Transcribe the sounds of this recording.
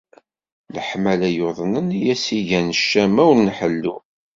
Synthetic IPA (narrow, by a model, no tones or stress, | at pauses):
ləħmælæjoðˤnənijæsiʝænəʃːæmæwlnħəlːu